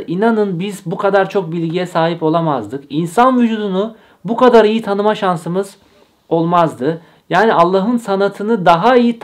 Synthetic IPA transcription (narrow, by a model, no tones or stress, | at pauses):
ʔinanɯnbizbukʰad̪aɾt͡ʃʰo̞k̚bilʲɟijɛsaːɦipo̞lˠamazd̪ɯkinsanvyd͡ʒuːd̪unu | bukad̪aɾijit̪ʰanɯmaʃansɯmɯz̥ | o̞lˠmazd̪ɯ | jaːnialˠːaɦɯnsanat̪ʰɯnɯd̪aɦaijit̪ʰ